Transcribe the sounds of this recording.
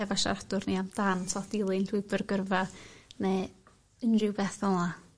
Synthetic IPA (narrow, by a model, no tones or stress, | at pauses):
ɛvaʃa̰ɾadʊrniamd̥ansɔtɪlˠɨnɬwɨbərɡərvanɛ | ənrɪwbɛθɔlˠa